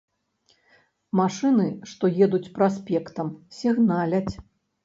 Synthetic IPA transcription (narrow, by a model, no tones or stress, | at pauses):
maʂɨnɨʂt̪ɔjɛd̪ut͡sʲpɾaspʲɛkt̪ɐmsʲiɣnalʲɐt͡sʲ